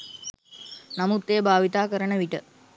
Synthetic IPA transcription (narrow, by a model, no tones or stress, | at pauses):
namut̪ːeːbʱaːʋit̪aːkəɾənəʋiʈə